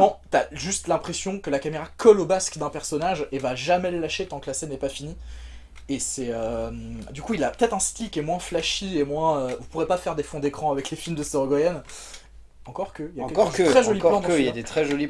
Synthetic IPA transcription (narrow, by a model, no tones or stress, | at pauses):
mɑ̃t̪yaʒyst̪lɛ̃pχesjɔ̃kəlakameʁakʰɔlobaskd̪ɛ̃pɛʁsɔnaʒevaʒamɛləlaʃet̪ɑ̃kəlasɛnɛpafini | esɛømd̪ykuilapə̥t̪ɛt̪χɛ̃st̪ikʲemwɛ̃flaʃiemwɛ̃øvupuʁepafɛʁd̪efɔ̃d̪ekχɑ̃avɛklefilmd̪əsəʁɔɡɔjɛn | ɑ̃kɔʁkəijãkɔdek̪χɛʒɔlilɑ̃d̪iljad̪et̪χɛʒɔli